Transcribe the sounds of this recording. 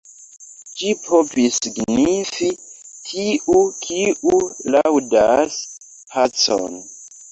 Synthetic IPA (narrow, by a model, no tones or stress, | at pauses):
d͡ʒipʰovisiɡnifitʰiʔukʰiulawdas | pʰat͡so̰n